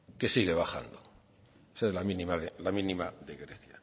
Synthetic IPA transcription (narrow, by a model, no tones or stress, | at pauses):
ke̞siɣe̞βaxa̰nd̪o | esaelamĩnĩmaðelamĩnĩmaðe̞ɣɾeθja